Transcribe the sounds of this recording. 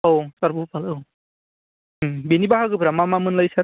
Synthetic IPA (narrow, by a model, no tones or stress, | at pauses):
owsaɾbupalɯw | binibaɦaɡɯbʰɾamamamɯnlajsa